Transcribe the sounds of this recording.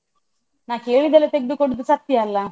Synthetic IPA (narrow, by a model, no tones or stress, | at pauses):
naːke̞ːɭid̪ɐlːet̪eɡɪd̪ukoɽud̪usɐt̪jɐːlːɐ